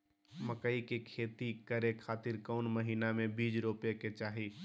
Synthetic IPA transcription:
məkəikekʰeːt̪ikəɾekʰaːt̪ɪɾkɔʊnməɦiːnamẽbiːd͡ʒɾopeket͡ʃaːɦi

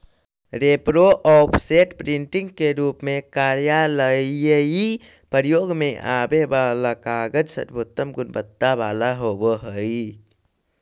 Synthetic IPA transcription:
ɾepɾoʔɔpʰsetpɾintiŋkeɾupmekaɾjaləjəji | pəɾjoʔɡəmeja̰bebalakaɡədsə̰t̪̚bɔt̪əmɡunbət̪ːabalaɦobəɦəj

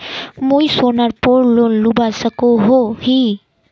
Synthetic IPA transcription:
mujsonaɾpoɾlonlubasəkoɦohi

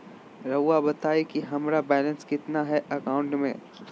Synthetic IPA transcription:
ɾɐwːabɐt̪aːikiɦɐmɾabɛːlə̃nskɪt̪naɦɛʔɐkaːʊ̃ɳʈmḛ̃

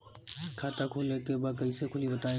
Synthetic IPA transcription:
kʰaːt̪akʰuːlekebaːd̪̚kɐisekʰʊlibɐt̪aːẽ

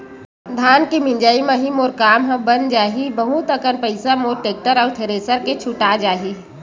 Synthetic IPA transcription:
d̪ʱaːnkimɪ̃nd͡ʒaːimaɦimoːɾkaːmɦə̃bənd͡ʒaːɦibəɦut̪əkənpəɪsamoːɾʈeːk̚ʈəɾɔːɾt̪ʰeɾeːsəɾket͡ʃʰʊʈad͡ʒaːɦi

